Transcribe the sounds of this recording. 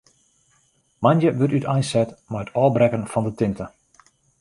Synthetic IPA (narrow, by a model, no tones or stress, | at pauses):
manjəʋøtytajnsɛtmaətʰɔːlˠbrɛkənfɔndətɪntə